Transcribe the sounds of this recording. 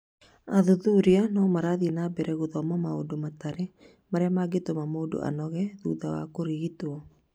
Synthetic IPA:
aðuðuɾianɔmaɾaðinabɛɾɛɣuðɔmɔmao̰domat̪aɾɛ | maɾɛamaɡet̪omamoːdo̰ʔa̰nɔɣɛðuðawa̰koɾiɣit̪uɔ

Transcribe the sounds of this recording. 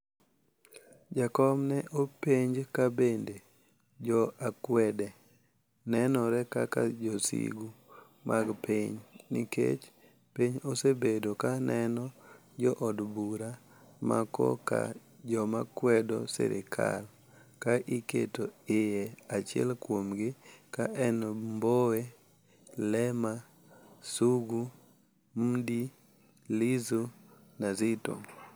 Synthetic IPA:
d͡ʒakɔmnɛʔopeɲd͡ʒkabende | d͡ʒɔakwɛdɛ | nɛnɔɾɛkakad͡ʒɔsḭɡu | mʔaɡpiɲnikḛt͡ʃ | piɲosebedokanʔɛnɔ | d͡ʒɔʔɔdbuɾa | ma̰kɔ̰ka̰ | d͡ʒɔmakwɛdosɛ̰ɾɪkʰa̰l | kaʔikḛtoɪjɛat͡ʃɪɛ̰lkwomɡɪkaʔɛnmbowe | lɛma | suɡu | mdi | lizunazɪto̰

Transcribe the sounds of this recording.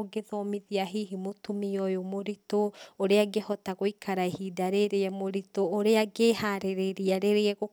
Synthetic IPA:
ɡeðɔmiðiaɦiɦimotumiɔjomoɾitooɾeaɡehɔtaɣoikʰaɾaehidaɾeɾeɛmoɾitoːɾeaɡehaɾeɾeɾiaɾeɾeɛɣo

